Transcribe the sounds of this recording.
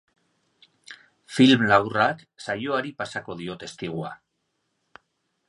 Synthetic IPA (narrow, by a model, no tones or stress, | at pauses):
filmlawratsajo̞aɾipasako̞ð̞io̞t̪e̞st̪iɣ̞ua